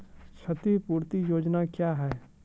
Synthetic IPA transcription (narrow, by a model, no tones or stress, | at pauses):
ʃʰɐt̪ipuːɾt̪ijoːd͡ʒnakjaːɦɛː